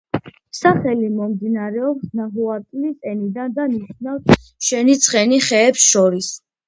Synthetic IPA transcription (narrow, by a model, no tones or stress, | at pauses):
saχɛlimɔmd̪inaɾɛɔpsnaɦuaɾt̪ʼilisʼɛnid̪and̪aniʃnafs | ʃɛnit̪sʼχʼɛniχɛːpsʃɔɾis